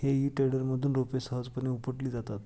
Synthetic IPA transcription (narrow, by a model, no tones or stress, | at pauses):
heɦiːʈeɽəɾməd̪ʱuːnɾopesəɦəd͡zpəɳeupəʈliːd͡zat̪at̪